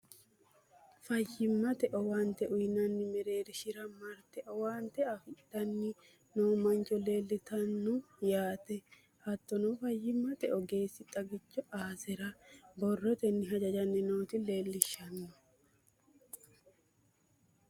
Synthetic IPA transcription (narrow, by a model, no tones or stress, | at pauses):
fɐjːɪmːɐt̪ɛʔɔwant̪ɛʔʊjnɐnːɪmɛɾe̞ːɾɪʃɪɾɐmɐɾt̪ɛʔɔwaːnt̪ɛɐfɪd̪ɐnːɪ | noːmɐnt͡ʃʼɔle̞ːlːɪt̪ɐnːɔ | jaːt̪ɛ | hɐt̪ːɔnɔfɐjːɪmːɐt̪ɛʔɔɡe̞ːsːɪt̪ʼɐɡɪt͡ʃːɔʔaːsɛɾɐbɔrːɔt̪ɛnːɪɦɐd͡ʒɐd͡ʒɐnːɛnoːt̪ɪle̞ːlːɪʃːɐnːɔ